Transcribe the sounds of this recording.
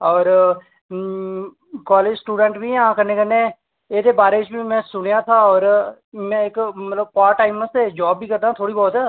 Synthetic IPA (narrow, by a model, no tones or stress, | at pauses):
ɔːɾ | kɔːleːd͡ʒsʈuːɖə̃ɳʈbʱiãkəɾneːkəɾneː | eːd̪eːbaːɾet͡ʃbʱimɛ̃ːsʊɽ̃jat̪ʰaɔːɾ | mɛ̃ːɪkmət̪ləb̚paːɾʈaːɪmːəst̪ed͡ʒɔːbːʱiːkəɾd̪aːãt̪ʰoːɽiːbɔːt̪ɦɛ